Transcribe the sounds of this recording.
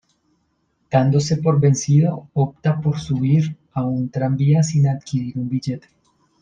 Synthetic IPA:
d̪̥and̪o̞se̞po̞ɾbe̞nsiðoop̚t̪apo̞ɾsuβiɾ | aunt̪ɾambiasinaðkiɾiɾumbiʝe̞t̪e̥

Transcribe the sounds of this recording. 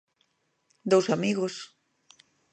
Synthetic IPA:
d̪owsamiɣos

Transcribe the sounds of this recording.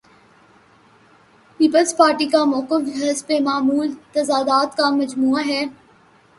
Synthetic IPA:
piːpəlzpaːɾʈikamɔːkɪfɦɐspemaːmuːlt̪ɐzaːd̪aːt̪kamɐd͡ʒmuːaɦɛː

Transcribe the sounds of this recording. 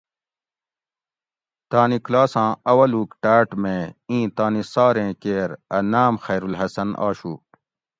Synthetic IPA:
t̪aːniklaːsãːɐwɐluːkʈaːʈmẽːĩːt̪aːnisaːɾẽːkeːɾɐnaːmxeːɾulɦɐsɐnʔa̰ːɕuː

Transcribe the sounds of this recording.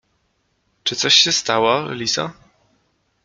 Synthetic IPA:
t͡ʂɘt̪sɔɕɕːɛst̪awɔ̰lʲisa̰

